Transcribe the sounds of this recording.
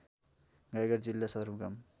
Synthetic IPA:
ɡajɡʌɾd͡zilːasʌd̪ʌɾmkam

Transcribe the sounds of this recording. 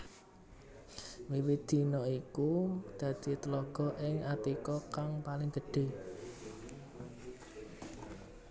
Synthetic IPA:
wiwid̪̥i̤nɔikud̪̥ä̤d̪̥i̤t̪əlɔɡ̥ɔ̤ʔɪŋat̪ikɔkaŋpalɪŋɡə̤ɖ̥e̤

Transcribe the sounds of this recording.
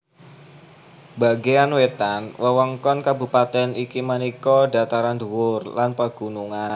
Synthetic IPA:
baɡeanwet̪anwʔəwɔŋkɔnkabṳpat̪ɛnikimənikɔda̤t̪aɾanduwʊrlanpəɡ̥unuŋan

